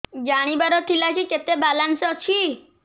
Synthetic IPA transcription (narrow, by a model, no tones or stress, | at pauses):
d͡ʒaɽ̃ibaɾɔt̪ʰilat͡ʃʰiket̪ebalansɔt͡ʃʰi